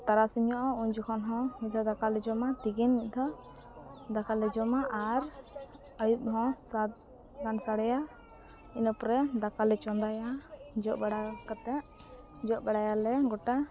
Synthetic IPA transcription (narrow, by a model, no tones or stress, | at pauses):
t̪aɾasiɲɔʔɔuɲd͡ʒɔkʰɔnɦɔ̃miʔ̚d̪ʱɔd̪akalɛd͡ʒɔmat̪iɡinmiʔ̚ˀd̪ɔ | d̪akalɛd͡ʒɔmaʔaɾ | əjup̚ɦɔ̃sat̪̚ | ɡansaɽɛja | inəpɾɛd̪akalɛt͡ʃɔnd̪ajad͡ʒɔʔbaɽakat̪ɛʔ | d͡ʒɔʔ̚bɛɽajalɛɡɔʈa